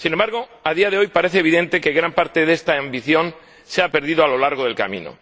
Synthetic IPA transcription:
sinembaɾɣ̞o̞aðiaðe̞o̞jpaɾe̞θeβiðe̞nt̪e̞ke̞ɣɾampaɾt̪e̞ðe̞st̪aːmbiθjo̞n | seape̞ɾðiðoalo̞laɾɣ̞oðe̞lka̰mḭ̃no̰

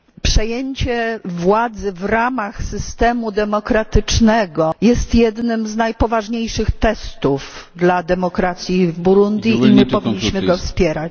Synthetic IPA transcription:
pʂɛjeɲt͡ɕɛvwad̪zɘvɾamaxsɘst̪ɛmud̪ɛmɔkɾat̪ɘt͡ʂnɛɡɔjɛst̪jɛd̪nɘmznajpɔvaʐɲejʂɘxt̪ɛst̪ufd̪lad̪ɛmɔkɾat̪sʲjivbuɾund̪ʲjiimɘpɔvʲiɲːiɕmɘɡɔfspʲjɛɾat͡ɕ

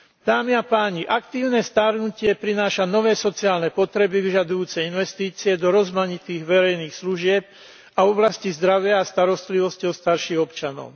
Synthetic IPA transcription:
d̪̥aːmiapaːɲiʔakt̪iːʊnɛːst̪aɾnucɪɛpɾinaːʃanɔʋɛːsɔt͡siaːlnɛpɔt̪ɾɛbiʋiʒad̪ujuːt͡sɛjinʋɛst̪iːt͡siɛd̪ɔɾɔzmaɲit̪iːɣʋɛɾɛjniːxsluʒɪɛp̚ | aɔblascizd̪ɾaʋɪaːst̪aɾɔst̪liʋɔscɔʊst̪aɾʃiːɣɔpt͡ʃanɔ̰ʊ

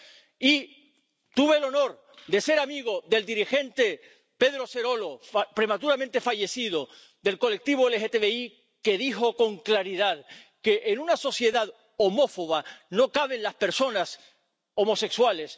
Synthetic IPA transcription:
i | t̪uβelo̞no̞ɾ | d̪e̞se̞ɾamiɣ̞o̞ðe̞ld̪iɾixe̞nt̪e̞ | pe̞ðɾo̞se̞ɾo̞lo̞pɾe̞mat̪uɾamẽnt̪e̞faʝe̞siðo | ðe̞lko̞lek̚t̪iβ̞oelexet̪eβei | ke̞ðixo̞ko̞ŋklaɾið̞aðke̞ʔenunaso̞sje̞ðað | omo̞fo̞β̞ano̞kaβ̞e̞nlaspe̞ɾso̞nas | o̞mo̞se̞kswale̞s

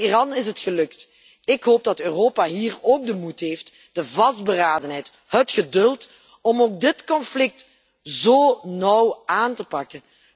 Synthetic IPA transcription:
irɑnɪsɦətxəlɵkt | ɪkɦoːp̚dɑtøːroːpaɦiːroːk̚dəmutɦeːft | d̥əvɑsd̚bəraːdənɦɛjt | ɦətxədɵlˠt | ɔmoːk̚dɪtkɔnflɪk̚t | zoːnɔwaːntəpɑkən

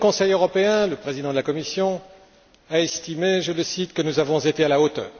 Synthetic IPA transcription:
əkɔ̃sɛjøʁɔpeɛ̃ləpχezid̪ɑ̃d̪əlakɔmisjɔ̃ | aɛst̪imeʒələsit̪kənuzavɔ̃zet̪ealaot̪œ̰ːʁ

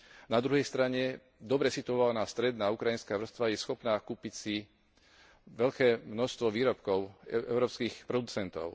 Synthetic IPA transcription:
nad̪ɾuɦɛjst̪ɾaɲɛ | d̪ɔbɾɛsit̪uɔʋalnaːst̪ɾɛd̪naːukɾajinskaːʋr̩st̪ʋajɛsxɔpnaːkuːpicsi | ʋɛʎkɛːmnɔʃst̪ʋɔʋiːɾɔpkɔʊɛ̰ʊɾɔːpskiːxpɾɔd̪ut͡sɛnt̪ɔ̰ʊ

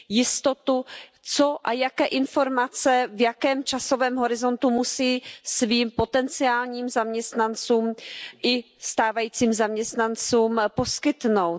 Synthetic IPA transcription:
jɪst̪ot̪u | t͡so̞ʔajakɛːʔɪnfo̞ɾmat͡sɛvjakɛːmt͡ʃaso̞vɛːmɦo̞ɾɪzo̞nt̪umusiːsviːmpo̞t̪ɛnt͡sɪaːlɲiːmzamɲɛst̪nant͡suːmʔɪ | st̪aːvajiːt͡siːmzamɲɛst̪nant͡suːmposkɪt̪no̞w

